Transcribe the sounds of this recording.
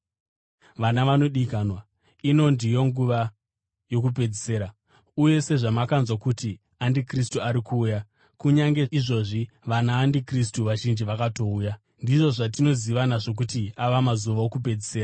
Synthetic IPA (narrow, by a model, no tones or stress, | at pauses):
ʋanaʋano̞ɗikanwa | ino̞ndijo̞ŋɡuʋa | jo̞kupe̞d͡zese̞ːɾa | uje̞se̞ʐamakanzwakuti | andikristuaɾikʰuːja | kuɲaŋɡeiʐo̞ʐi | ʋanaːndikristuʋaʒind͡ʒiʋakato̞uːja | ndiʐo̞ʐatino̞ziʋanaʐo̞k̬utiaʋamazuʋaokupe̞d͡zise̞ːra